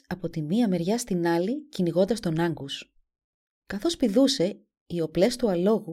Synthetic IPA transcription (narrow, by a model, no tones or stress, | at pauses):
ɐpo̞t̪imiɐme̞ɾʝɐst̪inɐliciniɣo̞nd̪ɐst̪o̞nɐŋɡos | kɐθo̞spiðuse̞ | io̞ple̞st̪uɐlo̞ɣu